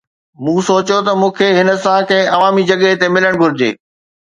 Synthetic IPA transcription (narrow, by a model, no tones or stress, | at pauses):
mũːsoːt͡ɕjot̪ɐmũːkʰeɦɪnə̆sãkɐ̃ɦɪ̃ʔɐʋaːmid͡ʑɐɠəɦt̪emɪləɽ̃ɡʱʊɾɪd͡ʑḛː